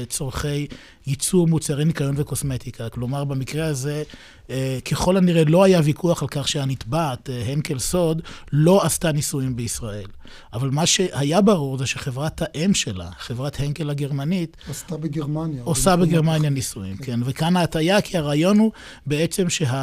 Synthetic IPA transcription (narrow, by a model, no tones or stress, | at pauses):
t͡soʁχe̞jː | it͡suʁmut͡saʁinikajo̞nveko̞smet̪ikʰaklo̞maʁbemikʁeaze̞ | kʰe̞χo̞laniʁelo̞ajavikuaχalkaχʃehanit̪bat̪ɦeŋkelso̞d̪lo̞astanisuimbeisʁae̞l | ʔavalmaʃe̞hajabaʁuʁzeʃeχevʁathaʔe̞mʃe̞la̰χevʁatheŋɡelaɡe̞ʁmanitstabeɡeʁmanjaosabeɡeʁmanjanisuḭmkenvekanaːtajakʰiaʁaːjo̞nhu | beet͡se̞mʃe̞ɦa